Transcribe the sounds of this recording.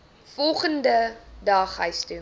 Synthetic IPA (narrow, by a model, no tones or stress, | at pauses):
fɔlˠχəndədɑːχɦəɥstʉ